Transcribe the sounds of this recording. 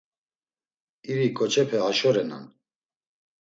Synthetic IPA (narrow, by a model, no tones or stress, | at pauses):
iɾikʼɔt͡ʃʰɛpʰɛaʃɔɾɛna̰n